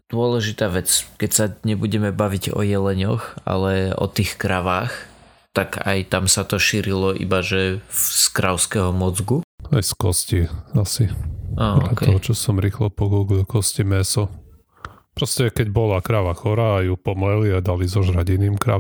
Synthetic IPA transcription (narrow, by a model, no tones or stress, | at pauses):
d̪̥ʊɔlɛʒit̪aːʋɛt͡skɛcsaɲɛbuɟɛmɛbaʋiɟɔ̰jɛlɛɲɔxa̰lɛɔ̰t̪iːxkɾaʋaːx | t̪aka̰jt̪amsat̪ɔʃiːɾilɔʔḭbaʒɛskɾaʊskɛɦɔmɔd͡zɡuajskɔsciasiaːɔatɛ̰ɔɦɔt͡ʃɔsɔmɾiːxlɔpɔɡuɡlkɔscimɛsɔ | pɾɔscɛkɛɟbɔlakɾaʋaxɔɾaːjupɔmlɛliad̪alizɔʒɾaɟinimkɾa̰